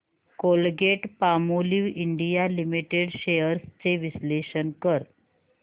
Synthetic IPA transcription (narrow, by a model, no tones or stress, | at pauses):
kolɡeʈpamoliʋiɳɖijalimiʈeɽɕejəɾst͡seʋisleɕənkəɾ